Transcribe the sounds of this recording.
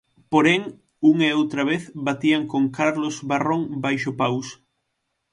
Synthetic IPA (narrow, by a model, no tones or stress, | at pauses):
poɾeŋ | uŋeowt̪ɾaβeθbat̪iaŋkoŋkaɾlozβarõŋbajʃopaws